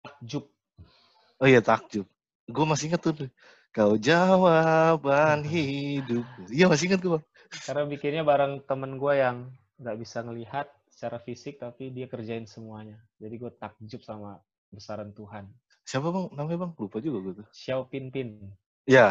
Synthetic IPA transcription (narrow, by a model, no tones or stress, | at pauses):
t̪ak̚d͡ʒʊp̚ | ojat̪ak̚d͡ʒʊp̚ | ɡuamasiiŋət̪ːʊʊ | kalod͡ʒawapanɦidʊp̚uijamas̬iiŋət̪̚ɡuabaŋ | karnabikɪnɲabaɾaŋt̪əmənɡuajaŋ | ɡaʔbisaŋəliɦat̪̚sə̥t͡ʃaɾafisɪk̚t̪apidiakərd͡ʒaɪnsəmuaɲad͡ʒadiɡuat̪ak̚d͡ʒʊp̚sama | bəsaɾant̪uɦan | siap̬abaŋnamabaŋlupad͡ʒuɡaɡuat̪ʊsiawpinpɪn | ja